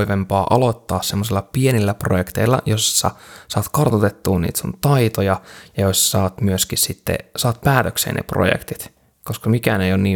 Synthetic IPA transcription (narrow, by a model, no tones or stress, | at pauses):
iʋempɑːʔɑlot̪ːɑːssemːosilːɑpienilːæprojekt̪eilːɑ̰jossɑ̰sɑːt̪kɑrt̪ot̪et̪ːuːnḭːt̪sunt̪ɑit̪ojɑjɑjossɑːt̪myøskissit̪ːḛsɑːt̪̚pæːt̪øksḛːnḛpro̰jḛkt̪it̪ | koskɑmikæːnejonniː